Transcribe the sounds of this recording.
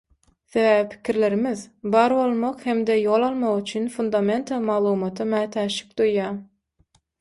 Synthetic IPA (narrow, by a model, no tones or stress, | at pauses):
θe̞væːvipʰi̥kʲʰiɾle̞ɾimiðbɑːɾbo̞lˠmoqhe̞md̪ejo̞lˠɑlˠmɑʁyt͡ʃʰynfund̪ɑme̞nt̪ʰɑmɑʁlˠuːmɑt̪ʰɯmæːt̪ʰæʃi̥k̚d̪ujːɑː